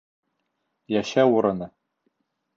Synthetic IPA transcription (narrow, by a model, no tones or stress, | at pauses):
jæɕæwuɾɤ̆nɤ